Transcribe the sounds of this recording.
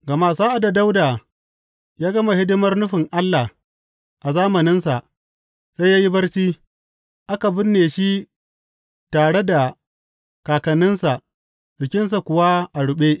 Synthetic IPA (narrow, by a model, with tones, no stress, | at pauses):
ɡɐ˨ma˦saː˦ʔa˨da˨da˦wdaː˨ | jaː˦ɡɐ˦ma˨hɪ˦dɪ˦mɐ˦rnʊ˦ɸɪ˨ŋʔa˦lːa˨h | ʔa˨zaː˦mɐ˨nɪ˦nsa˨ʔ | sa˦jaː˦ji˦bɐ˦rt͡ʃiː˦ | ʔa˦ka˨bʊ˦nːeː˨ʃi˦ | taː˨ɽe˦da˨ | kaː˨kɐ˨nːɪ˦nsa˨ʔ | bɪ˨kʲɪ˦ns̬a˨kʷʊ˨wa˦ʔa˨ɽʊ˨ɓeː˦